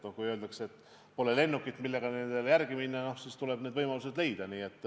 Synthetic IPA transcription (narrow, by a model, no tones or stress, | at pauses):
okujølnd̪ɑkseet̪ː | po̞le̞le̞nːukːˑit̪ːˑmilːe̞ɡ̥ɑnend̪̥eljærɡiminːɑno̞hsiːst̪ule̞b̥ned̪vɤjmɑluse̞d̪̥le̞jd̪̥ɑniːe̞t̪ːˑ